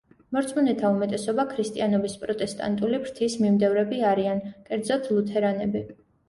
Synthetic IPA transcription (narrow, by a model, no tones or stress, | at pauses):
mɔɾt̪sʰmɔnɛt̪ʰaumɛt̪ʼɛsɔbakʰɾist̪ʼianɔbispʼɾɔt̪ʼɛst̪ʼa̰nt̪ʼulibɾt̪ʰismimd̪ɛvɾɛbiaɾiankʼɛɾd̪zɔt̪ʰlˠut̪ʰɛɾanɛbi